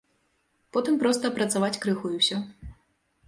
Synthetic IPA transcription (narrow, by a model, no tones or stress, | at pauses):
pɔt̪ɨmpɾɔst̪ɐːpɾɐt̪savat͡sʲkɾɨxujiwsʲɔ